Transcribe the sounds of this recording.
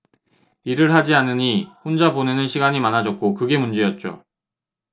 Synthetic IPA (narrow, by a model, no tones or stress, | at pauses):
iɾɯɭɦad͡ʑianɯɲiɸond͡ʑabonenɯnɕʰiɡaɲimanɦad͡ʑʌt̚k͈okɯɡe̞mund͡ʑejʌt̚t͡ɕ͈o̰